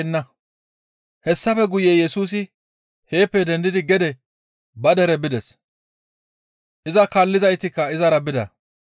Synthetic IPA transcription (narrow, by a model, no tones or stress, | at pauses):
nːɐ | hɛsːɐfɛɡʊjeːjɛsuːs̬ɪ | he̞ːpːɛd̪ɛnd̪ɪd̪ɪɡɛd̪ɛ | bɐd̪ɛɾɛbɪd̪ɛs | ʔɪzɐkalːɪzɐjt̪ɪkːɐɪzɐɾɐbɪd̪ɐ̰